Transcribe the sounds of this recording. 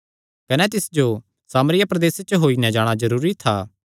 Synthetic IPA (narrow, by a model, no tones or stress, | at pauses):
kɐnɛt̪̬ɪsd͡ʒo | saːmɾɪjapɾɐd̪eːset͡ʃəɦoːinɛ̃d͡ʒaːɽ̃azɐɾuːɾit̪ʰaː